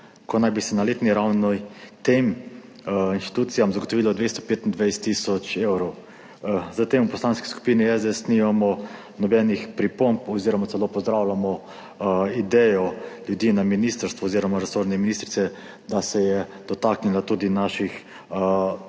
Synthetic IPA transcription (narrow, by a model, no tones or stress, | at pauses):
kɔnajbisɛnaleːt̪niɾawnɔt̪em | insʃt̪i̥t̪uːt̪sijamzaɡot̪ɔʋiːlɔd̪ʋest̪ɔ̥peːt̪ind̪ʋɛjst̪isɔt͡ʃewɾɔw | zat̪emupɔslaːnski̥sku̥piːniɛzɛsnimamɔ | nɔbɛnixpɾipompɔziːɾɔmatt͡s̪ɛloːpɔzd̪ɾawlamɔ | id̪ɛjɔljud̪iːnaminist̪əɾst̪ʋɔːziɾɔmaɾɛsoɾnɛminist̪ɾit̪sɛ | d̪asɛjɛd̪̥ɔt̪aknilat̪ud̪inaʃix